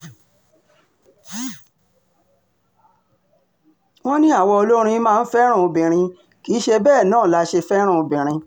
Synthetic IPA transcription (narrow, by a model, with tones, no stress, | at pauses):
wɔ̃˦nĩ˦a˦˨wɔ˧o˧lo˦ɾ̃ĩ˧˦mãː˦˧n̩˦fɛ˦ɾ̃ũ˦˨o˧bĩ˨ɾ̃ĩ˧ | ki˨˦ʃe˧bɛː˦˨nãː˦˨la˧ʃe˧fɛ˦ɾ̃ã˦˨o˧bĩ˨ɾ̃ĩ˧